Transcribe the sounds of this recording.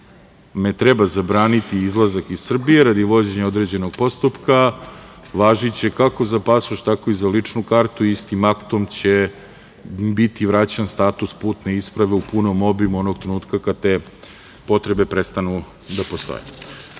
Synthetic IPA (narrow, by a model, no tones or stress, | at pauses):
me̞t̪ɾebazabɾaːnit̪iizlˠazakizsr̩bijeɾad̪iʋo̞d͡ʑe̞ɲeod̪ɾed͡ʑe̞no̞ɡ̥po̞st̪upka | ʋaːʒit͡ɕe̞kako̞zapasoʃt̪ako̞izalit͡ʂnukaɾt̪uist̪imakt̪o̞mt͡ɕe | bit̪iʋɾat͡ɕanst̪aːt̪uspuːt̪ne̞ispɾaʋe̞upunomo̞bimuo̞noɡ̚t̪ɾenuːt̪kakad̪̚t̪eː | po̞t̪ɾe̞be̞pɾest̪anu | d̪apo̞st̪o̰jḛ